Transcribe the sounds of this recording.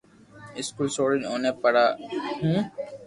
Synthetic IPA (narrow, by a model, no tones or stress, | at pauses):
ɪskuːlsoːɽɪ̃noːnepɐɽahũː